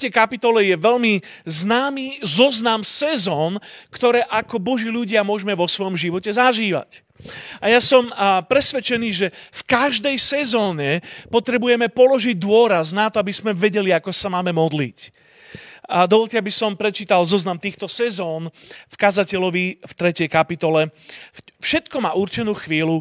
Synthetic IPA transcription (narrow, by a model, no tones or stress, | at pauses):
ɛjkapit̪ɔlɛjɛʋɛʎmi | znaːmizɔznamsɛzɔːnkt̪ɔɾɛːʔakɔbɔʒiːluɟɪamʊɔʒmɛʋɔsʋɔjɔmʒiʋɔcɛzaʒiːʋa̰c | ajasɔmpɾɛsʋɛt͡ʃɛniːʒɛfkaʒd̪ɛjsɛzɔːɲɛpɔt̪ɾɛbujɛmɛpɔlɔʒiɟ̚d̪ʊɔɾaznat̪ɔabismɛʋɛɟɛliakɔsamaːmɛmɔd̪lic | d̪ɔʋɔlcɛabisɔmpɾɛt͡ʃiːt̪alzɔznamt̪iːxt̪ɔsɛzɔːnfkazacɛlɔʋift̪ɾɛcɛjkapit̪ɔlɛ | fʃɛt̪kɔmaːuɾt͡ʃɛnuːxʋiːlu